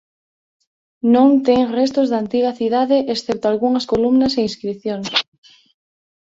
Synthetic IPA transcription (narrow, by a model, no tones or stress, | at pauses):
nõŋt̪eŋrest̪ozðaːnt̪iɣɐθiðaðeʔesθɛp̚t̪oalɣuŋɐskolumnɐseiskɾiθjoŋs